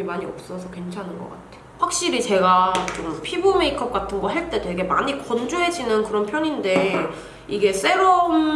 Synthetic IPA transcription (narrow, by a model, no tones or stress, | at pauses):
imaɲiʌ̰p̚s͈ʌsʰʌkwe̞nt͡ɕʰanɯnɡʌ̰k͈a̰tʰe̥ɸwak̚ɕ͈iɾit͡ɕe̞ɡat͡ɕompʰibomeikʰʌp̚k͈atʰɯnɡʌɦeɭt͈e̞doiɡe̞ma̰ɲikʌnd͡ʑuɦe̞d͡ʑinɯnkɯɾʌnpʰjʌɲinde̞ | iɡe̞s͈e̞ɾom